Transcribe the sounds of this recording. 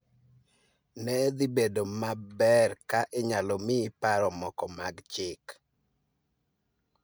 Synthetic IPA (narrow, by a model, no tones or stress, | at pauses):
nɛd̪ibedomabɛrkaʔɪɲalɔmɪpaɾɔmɔkɔmaɡt͡ʃɪk